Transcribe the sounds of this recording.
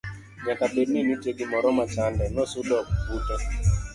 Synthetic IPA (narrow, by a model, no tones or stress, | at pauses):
ɲakapedmeniteɡimɔɾɔmat͡ʃandɛnɔsʊdɔk̚butɛ